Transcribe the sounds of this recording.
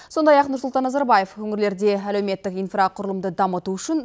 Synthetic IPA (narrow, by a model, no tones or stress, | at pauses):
so̞nd̪ɑjɑqnʊɾsʊlˠt̪ɑnːɑzɑɾbaje̞fɵŋɪɾle̞ɾd̪e̞æle̞wme̞t̪ːɪkijnfraqʰʊɾəlˠəmd̪əd̪ɑmət̪uʏʃɪn